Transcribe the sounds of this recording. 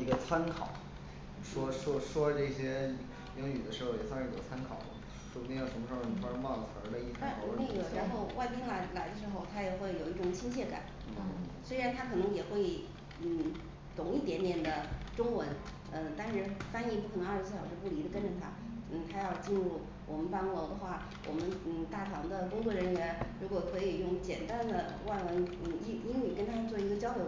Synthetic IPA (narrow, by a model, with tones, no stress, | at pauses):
i˧˥ɡə˧t͡sʰa˥nkʰɑ̰˨˩˦ʊ | ʂwɔ˥ʂwɔ˥ʂwɔ˥ʈ͡ʂɤ˥˩ɕjɛ˥˨˩ | jɤ˧˥ŋy˨˩d̪ə˦ʂɻ̩˧˥xo˥˩ʊjɛ˨˩sʰɑ˥˧ʂɻ̩˥˩jo˨˩t͡sʰa˥nkʰɑ̰˨˩˦ʊl | ʂwɔ˥b̪ɛ˥jʂə˧˥nmə˧ʂɻ̩˧˥xo˥˩ni˨˩a˥˩ɻwɑ˥˩ŋ˩t͡sʰə̰˧˥lə˧i˥˩tʰa˥˩ɔ̰˧˥li˥˩jɻɻa˧˥nxo˥˧ʊwʔa˥˩ɪpi˥ŋla˧˥ɪla˨˩ɪd̪ə˧ʂ̬ɻ̩˧˥xo˥˧ʊt̪ʰa˥jɛ˨˩xwe˥˩ɪjo˨˩ʊi˥˩ʈ͡ʂʊ˨˩ŋt͡ɕʰi˥ŋt͡ɕʰjɛ˥˩ka̰˨˩˦n̩˥˩swe˥ɪɻa˧˥nt̪ʰa˥kʰɤ˨˩nɤ˧˥ŋjɛ˨˩xwe˥˩ɪ | n̩˥˩ | t̪ʊ˨˩ŋi˥˩t̪jɛ˧˥nt̪jɛ˨˩nd̪ə˦ʈ͡ʂʊ˥ŋwə˧˥n | ə˧t̪a˥˧nʂɻ̩˥˩fa˥ni˧˥p̬u˥kʰə˨˩˧a˞˥˧˩s̩ʰ˥˩jɑ˨˩jo˥˧pu˥˩li˧˥d̪ə˧kə˥nʈ͡ʂə˨˩t̪ʰa˥ | n̩˥˩t̪ʰa˥jɑ˥˧ʊt͡ɕi˥˧nɻu˥˩ | wʔɔ˨˩mə˦npɑ˥ŋlo˧˥ʊd̪ə˧xwa˥˩ | wʔɔ̰˨˩mə˦nn̩˥˩t̪a˥˩ʈ͡ʂʰɑ˧˥ŋd̪ə˧kʊ˥ŋt͡swɔ˥˩ɻə˧˥nɥɛ˧˥nɻu˧˥kwɔ˨˩kʰɤ˧˥i˨˩jʊ˥˩ŋt͡ɕjɛ˨˩nt̪a˥nd̪ə˨ | wa˥˩ɪwə˧˥n̩˥˧˩i˧˥i˥ŋny˨˩kə˥nt̪ʰa˥t͡swɔ˥˩i˧˥ɡə˧t͡ɕjɑ˥ʊljo˧˥